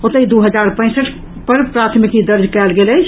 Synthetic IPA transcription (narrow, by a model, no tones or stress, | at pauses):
ot̪əid̪uɦəd͡ʒaɾpə̃ɪ̃səʈʰ | pəɾpɾat̪ʰmikid̪əɾd͡ʒʱkɛlɡelət͡ʃʰ